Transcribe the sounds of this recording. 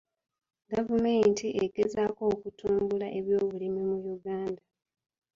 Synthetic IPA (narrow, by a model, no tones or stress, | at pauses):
ɡavumentiʔeɡe̞zaːko̞ːkutuːmbulaʔe̞βjo̞ːβulimimujuɡaːnda